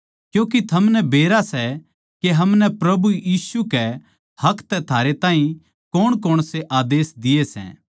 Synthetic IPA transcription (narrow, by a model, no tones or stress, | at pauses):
kjõːk̬it̪ʰɐmnɛbeːɾasɛ | keɦɐmnɛpɾɐbujiːsukɛ | hɐkʰt̪ɛt̪ʰaːɾet̪aːɦĩ | koːɽ̃koːɽ̃seʔaːd̪eːsd̪ɪesɛ̰̃ː